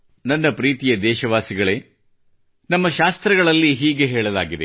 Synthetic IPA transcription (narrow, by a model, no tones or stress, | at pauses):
nɐnːɐpɾiːt̪ijɐd̪ɛːʃɐʋaːsiɡɐɭe̞ː | nɐmːɐʃaːst̪ɾɐɡɐɭɐlːiɦiːɡe̞ɦeːɭɐlaːɡid̪e